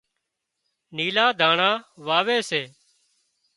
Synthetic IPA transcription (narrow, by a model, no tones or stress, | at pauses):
niːlaːd̪ʱaːɳaːʋaːʋeːseː